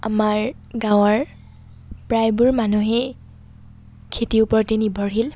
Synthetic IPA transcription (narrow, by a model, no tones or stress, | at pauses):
amaɹ | ɡãw̃ɔɹ | pɹajbuɹmanuɦɛ | kʰetiupɔɹtenibʱɔɹɦil